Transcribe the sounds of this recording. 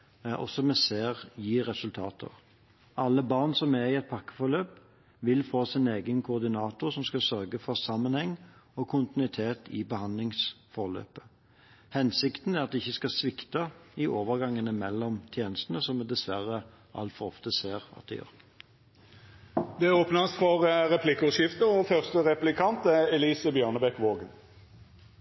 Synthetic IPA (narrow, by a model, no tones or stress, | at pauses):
ɔ̰sɔmɛseːʁjiːɾɛsʉlt̪ʰɑːt̪ʰə̰ʁ | ʔɑlːəbɑʁnsɔmæʁɪɛt̪̚pʰɑkːə̥fɔʁløːp | ʋɪlfoːsɪneːɡənkʰʊːʁd̪ɪnɑːt̪ʊɾsɔmskɑlsœɾɡəfɔʁsɑmːənhɛŋːɔkʰʊnt̪ɪnʉɪt̪ʰeːt̪ʰɪbəhɑnd̪lɪŋs | fɔʁlø̰ːpə | hɛnsɪkt̪n̩æɾʁɑt̪̚d̪ɛɪçːəskɑsʋɪkt̪ɑɪʔoːʋəʁɡɑŋːənəmɛlːɔmt̪ʰjeːnəst̪ənəsɔmɛd̪ɛsʋæʁə | ʔɑ̰lt̪fɔʁɔ̰ft̪əseːʁɑ̰t̪̚d̪ɛ̰jø̰ːʁ | d̪ɛæʁoːpnɑst̪fɔʁʁɛpʰlɪkːɔʃjɪft̪əɔfœʁst̪əʁɛplɪkʰɑnt̪æɛliːsəbjœːnəbɛkʋoːɡən